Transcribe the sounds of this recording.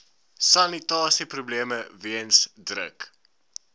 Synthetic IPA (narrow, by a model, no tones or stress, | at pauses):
sɐnitɑːsiprubleəməviənsdrə̰k